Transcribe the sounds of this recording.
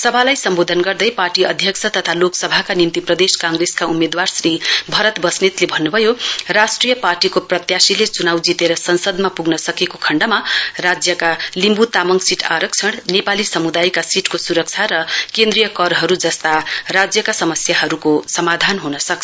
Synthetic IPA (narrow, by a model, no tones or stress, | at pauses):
sʌbʱalajsʌmbod̪ʱʌnɡʌrd̪ʌjparʈiʌd̪ʱjʌkt͡sʰʌt̪ʌt̪ʰaloksʌbʱakanint̪iprʌd̪eskaŋɡreskaumed̪warsribʱʌɾʌt̪bʌsnit̪lebʱʌnːubʱʌjorasʈrijʌparʈikoprʌt̪jasilet͡sunawd͡zit̪eɾʌsʌnsʌd̪mapuɡnʌsʌkekokʰʌɳɖʌmarad͡zjʌkalimbut̪amʌŋɡsiʈʰa̰ɾʌk̚t͡sʰʌɽ̃nepalisʌmud̪ajkasiʈkosuɾʌk̚t͡sʰaɾʌkẽnd̪rijʌkʌɾɦʌɾud͡zʌst̪arad͡zjʌkasʌmʌsjaɦʌɾukosʌmad̪ʱanɦunʌsʌkʰ